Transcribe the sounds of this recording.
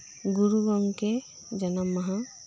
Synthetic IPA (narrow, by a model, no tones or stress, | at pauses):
ɡuɾuɡɔŋke | d͡ʒanamːaɦa